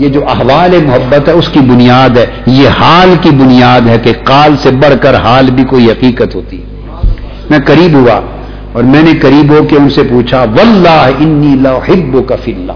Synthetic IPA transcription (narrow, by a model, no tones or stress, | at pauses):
jed͡ʒoːʔɐɦʋaːlemʊɦɐbːət̪ɦɛʊskibʊnijaːd̪ɦɛː | jehaːlkibʊnijaːd̪ɦɛkeqaːlsebɐɽ̤kɐɾɦaːlbʱikoːiɦɐqiːqət̪ɦoːt̪iɦɛ | mɛ̃ːqɐɾiːbɦua̰ | ɔːɾmɛ̃ːnekɐɾiːbɦokeʊnsepuːt͡ʃʰaʋɐlːaːɦɪnːiːlɐʊħɪbːʊkafilːa̰ː